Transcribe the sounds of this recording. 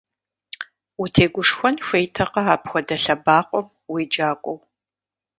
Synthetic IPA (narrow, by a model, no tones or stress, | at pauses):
utʰeːɡʷʊʂxʷɔnfʷejtʰɐqɐaːpxʷɔdɐɬɐbaːqʷʼɔm | wiːd͡ʒʼaːkʷʼɔw